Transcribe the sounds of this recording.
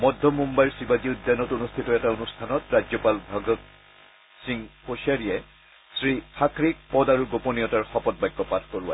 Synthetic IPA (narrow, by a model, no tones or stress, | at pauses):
mɔdʱːɔmumbajɹsibad͡ʒiudːanɔtonustʰitɔɛtaonustʰanɔtɹad͡ʒɔpalbʱaɡɔt | siŋposiaɹijɛ | sɹipʰakɹik̚pɔdaɹuɡoponijɔtaɹxɔpɔt̚bajɡːɔpatʰkoɹʊwa̰